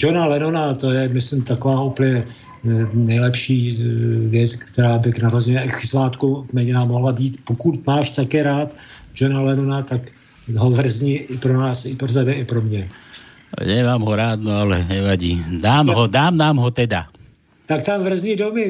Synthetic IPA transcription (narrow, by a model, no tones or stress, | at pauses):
d͡ʒonalɛnonat̪o̞jɛmɪsɪmt̪akovaːupəɲɛ | nɛjlɛpʃiːvjɛt͡skkt̪ɛɾaːbɪɡnaɾozɛɲɛɛksɪsvaːt̪kukmɛɲɪnamoɦlabiːt̪pokut̪maːʃt̪akɛːɾaːt̪ | d͡ʒonalɛnonat̪ak | ɦovr̩zɲiʔɪpɾonaːsɪpɾot̪ɛbɛɪpɾo̞mɲɛ̰ | ɲɛʋaːmɦɔɾaːd̪noalɛɲɛʋaɟiːd̪aːmɦɔd̪aːmnaːmɦɔt̪ɛd̪a | t̪akt̪amvr̩zɲiːdomɪ